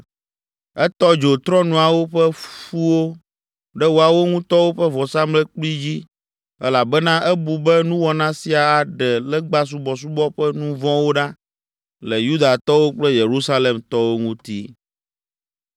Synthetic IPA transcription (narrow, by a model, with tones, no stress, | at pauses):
ɛ˦t̪ɔ˦d͡ʒo˨t̪ɾɔ˦nũ˨a˨wo˦ɸɛ˦fu˦wo˦ | ɖɛ˦wo˨a˨wo˦ŋũ˦t̪ɔ˦wo˦ɸɛ˦vɔ˨sa˦mlɛ˦k͡pli˦d͡ʑi˦ | ɛ˦la˨bɛ˦nã˦ʔɛ˦bu˨bɛ˦nũ˦wɔ˨nã˦si˨a˨a˨ɖɛ˨lɛ˦ɡ͡ba˦s̬u˦bɔ˨s̬u˦bɔ˦ɸɛ˦nũ˦vɔ̃˦wo˦ɖa˦ | lɛ˨ju˦d̪a˨t̪ɔ˦wo˦k͡plɛ˦je˨ɾu˦sa˦le˨mt̪ɔ˦wo˦ŋũ˦t̪i˦